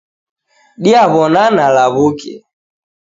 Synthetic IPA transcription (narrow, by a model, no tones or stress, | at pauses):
ɗiaβɔnanalaβukɛ̰